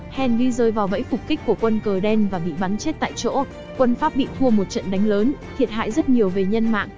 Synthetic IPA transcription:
hɛ˨˩nvi˧zəː˨˩jvaː˨˩wvə̰˧˥jfʊ˨˩k͡p̚ki˦˥k̟̚ku˧˩əkwə˧nkəː˨˩ɗɛ˧nvaː˨˩ɓḭ˧˨ɓa˨˦nt͡ɕe˦˥t̚t̪a̰ː˧˨jt͡ɕo̰˧˥ | kwə˧nfaː˦˥p̚ɓḭ˧˨t̪ʰu˧əmo˨˩t̚t͡ɕə̰˧˨nɗa˨˦jŋ̟ləː˨˦nt̪ʰi˨˩ət̚ha̰ː˧˨jzə˦˥t̚ɲi˨˩əwve˨˩ɲə˧nma̰ː˧˨ŋ

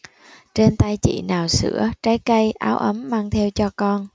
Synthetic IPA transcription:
t͡ɕe˧nt̪a˧jt͡ɕḭ˧˩˨naː˨˩wsɨ̰˧˥ət͡ɕaː˨˦jkə˧jʔa̰ː˨˦wʔə˨˦mːaː˧ŋt̪ʰɛ˧wt͡ɕɔ˧kɔ˧n

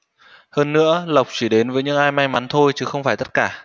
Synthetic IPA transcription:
həː˧nːɨ̰˧˥ələ˨˩wk͡p̚t͡ɕi˧˩ɗe˨˦nvəː˨˦jɲɨ̰˧˥ŋʔaː˧jma˧jma˨˦nt̪ʰo˧jt͡ɕɨ˨˦xə˧wŋ͡mfaː˧˩jt̪ə˦˥t̚kaː˧˩

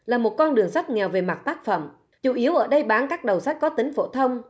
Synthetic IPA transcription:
laː˨˩mo˨˩t̚kɔ˧nɗɨ˨˩əŋsa˦˥t̚ŋɛ˨˩wve˨˩ma˨˩t̚t̪aː˦˥k̚fə̰˧˩˨m | t͡ɕu˧˩ʔi˨˦əwʔəː˧˩ɗə˧jɓaː˨˦nkaː˦˥k̚ɗə˨˩wsa˦˥t̟̚kɔ˨˦t̪ï˨˦ŋ̟fo̰˧˩t̪ʰə˧wŋ͡m

